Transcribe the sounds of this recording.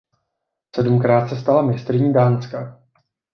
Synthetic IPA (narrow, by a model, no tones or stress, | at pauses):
sɛdumkɾaːt̪sɛst̪alamɲɛst̪ɾɪɲiːdaːnska